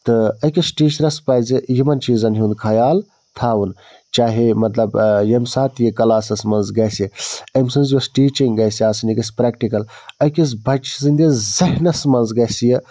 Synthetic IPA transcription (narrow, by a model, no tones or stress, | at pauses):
t̪ɨɐkʲisʈiːʃɾɐspɐːzɨjimɐnt͡ʃiːzɐnɦũnd̪kʰɐjaːl | t̪ʰaːwun | t͡ʃaːɦemɐt̪lɐbjɐmsaːt̪jɐkɐlaːsɐsmɐnzɡɐjsjɐɐmsɐnzɐsʈiːt͡ʃiŋɡɡɐjsiaːsɨniɡɐsʲpɾeːkʈikɐlɐkis̬bʱɐt͡ʃzɨnd̪izɐɦnɐsmɐnzɡɐsjɐ